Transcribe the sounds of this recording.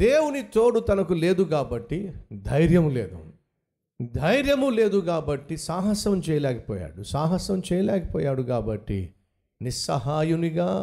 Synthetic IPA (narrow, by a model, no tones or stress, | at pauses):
d̪eːwunit̪o̞ːɽut̪ɐnɐkule̞ːd̪ukaːbɐʈːid̪ʱɐjɾjɐmuleːd̪ṵ | d̪ʱɐjɾjɐmule̞ːd̪ukaːbɐʈːisaːɦɐsɐmt͡ʃɛːjɐlɛːkɐ̥pɔːja̰ːɽusaːɦɐsɐmt͡ʃɛːjɐlɛːkɐ̥pɔːjaːɽukaːbɐʈːḭ | nisɐ̰ɦaːjuniɡaː